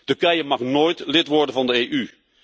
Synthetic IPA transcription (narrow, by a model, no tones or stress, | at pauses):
tɵɹkɛjəmɑχnoːjtlɪtʋɔɹdənvɑndəeːjʔy